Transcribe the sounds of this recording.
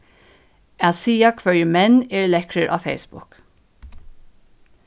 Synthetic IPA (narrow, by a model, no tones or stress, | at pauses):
ætsiːakʰʋœɹjəmɛnɛːɹlɛkɾəɹʔɑ̰ːfḛɪsbʊ̰k